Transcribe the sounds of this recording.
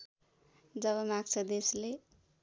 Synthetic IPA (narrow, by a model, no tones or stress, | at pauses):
d͡zʌβʌmaksʰəd̪esle